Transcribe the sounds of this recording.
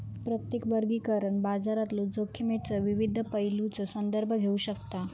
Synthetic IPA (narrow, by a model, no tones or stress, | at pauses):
pɾət̪jekʋəɾɡiːkəɾəɳbad͡zaɾat̪lod͡zokʰːəmeʈt͡sɔʋiʋid̪ʱːəpəjlut͡sosənd̪əɾbʱəɡʱeuɕəkt̪a